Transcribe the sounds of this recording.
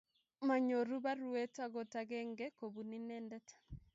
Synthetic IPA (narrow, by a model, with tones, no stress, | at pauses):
ma˨ɲo˨ɾu˦ba˦ɾu˨e˦ta˨ɡɔ˨taɡɛ˦ŋɡɛ˦ko˨bu˨ni˦nɛ˦ndɛ˦tḁ˨